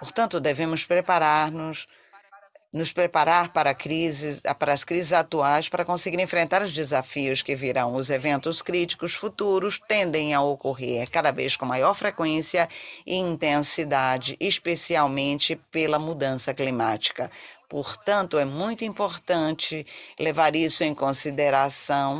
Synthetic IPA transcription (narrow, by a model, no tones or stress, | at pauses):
poɾt̪ɐ̃nt̪ʊd̪evẽmʊspɾepaɾaɾnʊs | nʊspɾepaɾaɾpaɾɐkɾizɪpaɾɐːskɾizɪzat̪uajspaɾɐkõsɪɡiɾẽfɾẽnt̪aɾʊzd͡ʒɪzafiʊskɪviɾɐ̃w̃ʊzevẽnt̪ʊskɾit͡ʃi̥kʊsfut̪uɾʊst̪ẽnd̪ẽj̃ɐokoɦeɾkad̪ɐvḛskõmajɔɾfɾekwẽsiɐɪĩnt̪ẽsid̪ad͡ʒɪʔɪspesiawmẽnt͡ʃɪpelɐmud̪ɐ̃sɐklimat͡ʃi̥kɐpoɾt̪ɐ̃nt̪ʊɛmũj̃t̪ʊĩpoɾt̪ɐ̃t͡ʃɪlevaɾisʊẽj̃kõsid̪eɾasɐ̃w̃